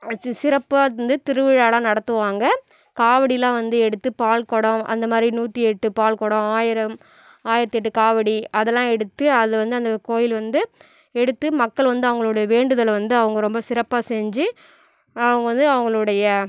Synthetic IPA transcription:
sɪɾɐpːand̪ɯt̪ɪɾɯʋɪɻaːlãːnɐɽɐt̪ːɯʋaːŋɡɐ | kaːʋɐɽijlãːʋɐnd̪ɯɛɽɯt̪ːɯpaːlkɔɽɐ̃ʔɐ̰nd̪ɐmaːd̪ɾinuːt̪ːiɛʈːɯpaːɭkɔɽɔ̃aːjɪɾɐm | aːjɪɾɐt̪ːɪɛʈːɯkaːʋɐɽiɐðɛlːãːɛɽɯt̪ːɯɐðɯʋɐnd̪ɯɐnd̪ɐkoːjɪlʋɐnd̪ɯ | ɛɽɯt̪ːɯmɐkːɐɭʋɐnd̪ɯɐʋɐŋɡɐɭoːɽɐjɐʋeːɳɖɯðɐlʋɐnd̪ɯɐʋɐŋɡɐɾɔmbɐsɪɾɐpːaːsɛɲd͡ʒɯ | ɐʋɐŋɡɐʋɐnd̪ɯɐʋɐŋɡɐɭɯɽɐjɐ

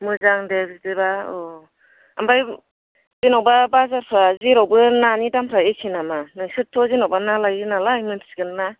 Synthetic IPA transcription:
mɯzaŋdebidebaɔ | ambaj | zinɔwbabazaɾpʰɾaziɾɔwbɯnanidampʰɾaesʰinamanɯjsɯtʰːɔzinɔwbanalajinalajmɯntʰsɡɯnna

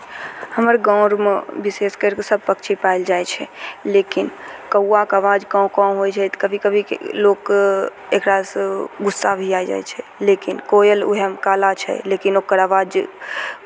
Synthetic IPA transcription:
həməɾɡãɾmebiseskəɾkesəb̚ʱpəkt͡ʃʰipaild͡ʒajt͡ʃʰɛlekinkəwːakaːʋad͡ʒkãʊ̃kãɦojt͡ʃʰɛt̪kəbʱikəbʱḭlokekɾasɡusːabʱiajd͡ʒa̰jt͡ʃʰɛlekinkojelṵɦɛmkalat͡ʃʰɛ̰lekinokːəɾaʋad͡ʒ

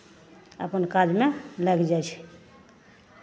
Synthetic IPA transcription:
ə̰pənkad͡ʒmeləkd͡ʒajt͡ʃʰɛ̥

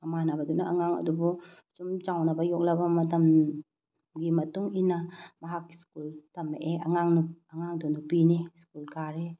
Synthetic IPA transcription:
amanabadunaʔa̰ŋaŋɐ̰dubɔ | t͡ʃumt͡ʃawnabajɔk̚labamɐtɐm | ɡimɐtuŋinamaɦakːi̥skultɐmeʔeɐ̰ŋaŋnuaŋaŋdunupiniskulkaɾe

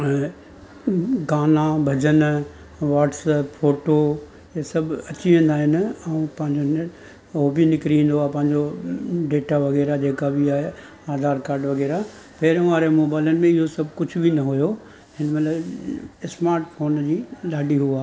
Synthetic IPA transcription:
ɡaːnabʱɐd͡ʑən | ʋaːʈsəpfoːʈo | esɐbʱɐt͡ɕiʋẽːn̆d̪aːɦɪnɪ̆ɐ̃ũpɐ̃ɦɪ̃ɲd͡ʑon | obinɪkɾiĩːn̆d̪oaːepɐ̃ɦɪ̃ɲd͡ʑoɖeːʈaʋɐɣɛːɾad͡ʑeːkabiaːɦe | aːd̪ʱaːɾkaːɾɖʋɐɣɛːɾa | peːɾə̃ʋaːɾemoːbaːɪlənɪ̆mẽɪɦosɐbʱkʊd͡ʑʱʊbʱinɐɦʊjo | hɪnəmɐt̪ləbɪsmaːɾʈfʰoːnd͡ʑiːɗaːɖiɦuaː

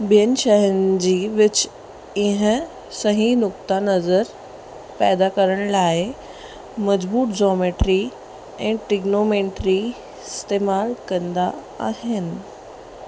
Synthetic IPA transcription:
biənʃəɦənd͡ʑiːʋɪt͡ɕ | ɪɦə̃ | səɦĩnʊkt̪anəzəɾ | pɛːd̪akəɾəɽ̃lae | məd͡ʑbuːt̪d͡ʑɔmeʈɾi | ɛ̃ːʈɪɡnomeɳʈɾi | st̪emalkə̃nd̪a̰ː | ɦɪn

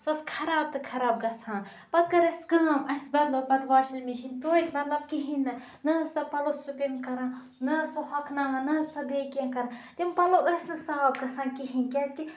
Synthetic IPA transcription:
sɐskʰɐɾaːb̚t̪ɨkʰɐɾaːb̚ɡɐsʰãːn | pɐt̪̚kɐɾɐsʲɡɐːmɐsʲbɐɾlopɐt̪ʋaːʃilmiʃint̪oːit̪ʲmɐt̪lɐb̚kiɦinːɨ | nɐsɐpɐlosupinkɐɾãː | nɐsoɦɐkʰnanɐnɐsɐbekenkɐɾãt̪ʲimpɐloʔəsʲnɨsaːb̚ɡɐsʰãːnkiɦinkʲɛski

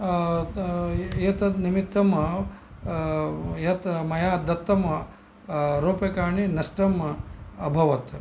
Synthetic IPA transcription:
jɐt̪ɐnimit̪ːɐmɐ | jɐt̪mɐjaːd̪ɐt̪ːɐmɐ | ɾoːpekaːɳinɐsʈɾɐmɐɐbʱɐʋɐt̪

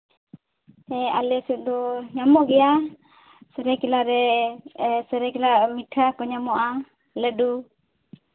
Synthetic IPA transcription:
ɛalɛsut̪̚ˀd̪ɔɲamɔʔɡɛja | səɾɛkɛlaɾɛ | səɾɛkɛlamiʈʰakɔɲamɔʔa | ləɖu

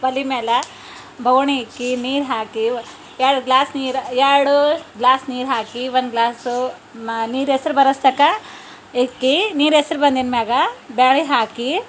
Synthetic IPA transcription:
bɐlimeːlɐ | bʱɐwɳikːiniːɾɦaːki | eɽuɡlaːsniːɾeɾɽuɡlaːsniːɾɦaːkiʋɐnɡlaːsu | niːɾesɐɾubɐɾɐst̪ɐkɐ | ekːiniːɾesɐɾubɐnd̪inmaːɡɐbeːɭiɦaːki

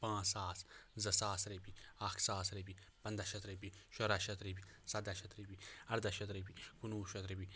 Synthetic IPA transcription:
pãːsaːszɐsaːsɾepiaːksaːsɾebi | pɐnd̪aʃɐt̪ɾebiʃoɾaʃɐt̪ɾibisad̪aʃɐt̪ɾibiɐɾd̪aʃɐt̪ɾebikunuːʃɐt̪ɾibi

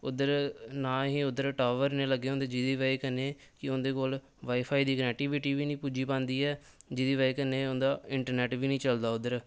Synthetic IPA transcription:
ʊd̪əɾnãːɦĩːʊd̪əɾʈaːʋəɾnẽːləɡːeːõːnd̪eːd͡ʒɪd̪iːʋaːiːkəneː | kɪʊnd̪eːkoːl | ʋaːiːpʰaːiːd̪iːkənɛːk̚ʈiːʋɪʈiːʋiːnĩːpuːd͡ʒiːpãːnd̪iːɛː | d͡ʒɪd̪iːʋaːikənːẽːʊnd̪aːɪɳʈəɾnɛːʈʋiːnəĩːt͡ʃəld̪aːʊd̪əɾ

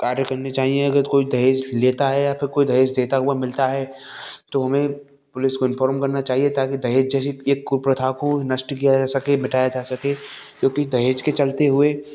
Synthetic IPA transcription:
kaːɾjəkɐɾnet͡ʃaːɦiẽɐɡəɾkoːid̪ʱɐɦeːd͡ʒleːt̪aɦɛjapʰɪɾkoːid̪ʱɐɦeːd͡ʒd̪eːt̪aɦʊamɪlt̪aɦɛːt̪oɦɐmẽ | pʊlɪskoɪnfʰɔːɾmkɐɾnat͡ʃaːɦiet̪aːkid̪ʱɐɦeːd͡ʒd͡ʒɛːseeːkːʊpɾɐt̪ʰaːkonɐsʈkijaaːsɐkemɪʈaːjad͡ʒaːsɐkekjõːkid̪ʱɐɦeːd͡ʒket͡ʃɐlt̪eɦʊeː

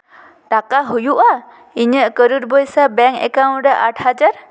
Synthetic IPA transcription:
ʈakaɦujuʔa | iɲəʔkəɾuɾ̚bəjsabɛŋɛ̰kaw̃nɾɛʔaʈʰhad͡ʒaɾ

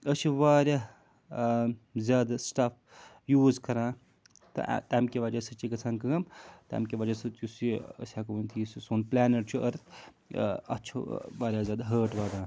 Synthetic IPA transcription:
əsiʋaːɾʲaː | zʲaːd̪asʈɐp̚ʰ | juːzkɐɾãː | t̪ɐ̰t̪aːmkʲiʋaːd͡ʒɐsɨt͡ʃiɡɐt͡sʰaːnkɐɡɐmt̪a̰ːmkʲiʋaːd͡ʒɐsɨt̪jusiə̰sʲaːkuʋɐnt̪ʰisisoːnplaːneʈt͡ʃʰuʔɐɾt̪ʰ | ɐ̰t͡ʃʰṵʋaːɾʲjaːzʲaːd̪ɦəːʈʋaːd̪ãː

